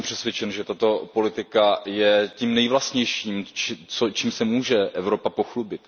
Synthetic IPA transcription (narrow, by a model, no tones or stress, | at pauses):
mpr̝̥ɛsvʲjɛt͡ʃɛnʒɛt̪at̪o̞po̞lɪt̪ɪkajɛcimnɛjvlast̪ɲɛjʃiːmt͡ʃt͡sot͡ʃiːmsɛmuːʒɛʔɛvɾo̞papo̞xlubɪt̪